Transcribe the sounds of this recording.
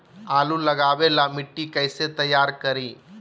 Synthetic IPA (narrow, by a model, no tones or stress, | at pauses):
aːlulɐɡaːʋeːlamiʈːikɐjset̪ɐjaːɾkɐɾi